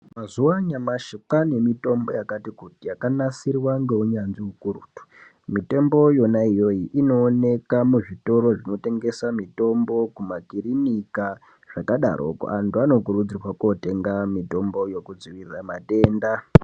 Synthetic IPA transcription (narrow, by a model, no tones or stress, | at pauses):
mazuwaɲamaʃikane̞mito̞mbo̞jakatikutijakanasirwaŋɡe̞uɲanʐiukuɾuːtu̥ | mito̞mbo̞jo̞naijo̞iʔino̞ːne̞kamuʐito̞ɾo̞ʐino̞te̞ŋɡe̞samito̞mbo̞kumakiɾinika | ʐ̥akaɗa̰ɾo̰ko̰antuano̞kurud͡zirwako̞te̞ŋɡamito̞mbo̞jo̞kud͡ziʋirramate̞ːnda